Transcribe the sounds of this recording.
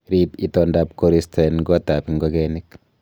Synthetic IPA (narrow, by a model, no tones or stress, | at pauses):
ɾipitondap̚koɾistʰanɡatapiŋɡoɣenik